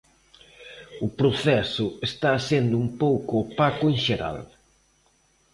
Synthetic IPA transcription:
ʊpɾoθɛsʊest̪aːsend̪ʊumpowkʊːpakʊenʃeɾa̰l

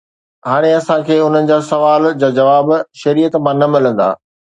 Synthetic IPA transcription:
ɦaːɽ̃eɐsãkʰeːʊn̤ənɪ̆d͡ʑaːsɐʋaːld͡ʑaːd͡ʑɐʋaːbʃɐɾiːjət̪mãːnɐmɪlə̃nd̪a̰ː

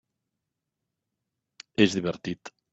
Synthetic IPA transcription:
ezðiβeɾt̪it̪

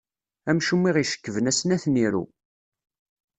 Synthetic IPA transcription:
æmʃumːiʁiʃə̥kːəvənæsnæθniɾṵ

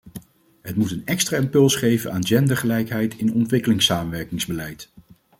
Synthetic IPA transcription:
ɦətmutənɛkstraɪmpɵlˠsχejvənaːnd͡ʒɛndəɹχəlɛjkɦɛjtɪnɔntʋɪkəlɪŋsaːmənʋɛɹkɪŋzbəlɛjt

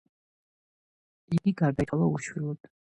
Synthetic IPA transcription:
iɡiɡaɾd̪aiɔlˠauʃwilˠɔd̪̥

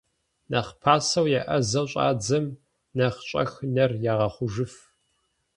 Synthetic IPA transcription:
nɐχpʰaːsɐwjɛʔɐzɐwɕʼa̰ːd͡zɐm | nɐχt͡ʃʼɐ̰xnɐrjaːʁɐχʷʊʒɨf

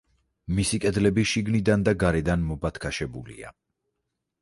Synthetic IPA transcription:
misikʼɛd̪lɛbiʃiɡnid̪and̪aɡaɾɛd̪anmɔbat̪ʰkʰaʃɛbṵlḭa̰

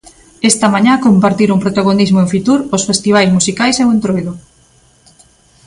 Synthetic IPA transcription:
est̪ɐmaɲãkompaɾt̪iɾuŋpɾot̪aɣonizmoeɱfit̪uɾosfest̪iβ̞ajsmusikajsewent̪ɾojðʊ

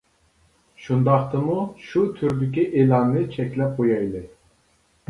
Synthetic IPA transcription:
ʃund̪ɑχt̪ɨmuʃut̪ʰyɾd̪ɪkʲiʔelˠɑnːɨt͡ʃʰɛkʲlɛp̚qojɑjlˠɨ

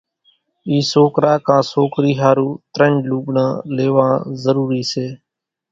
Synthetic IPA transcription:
iːsoːkɾaːkãːsoːkɾiːɦaːɾuːt̪ɾə̃ɳɖluːɓnãːleːʋãːzəɾuːɾiːseː

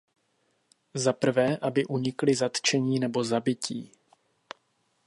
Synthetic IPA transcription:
zapr̩vɛːʔabɪʔuɲɪklɪzat̪t͡ʃɛɲiːnɛbo̞zabɪciː

